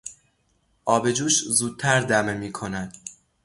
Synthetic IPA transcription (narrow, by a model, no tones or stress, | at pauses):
ʔɒːbe̞d͡ʒuːʃzuːd̪̚t̪ʰæɾd̪æmemiːkʰo̞næd̪̥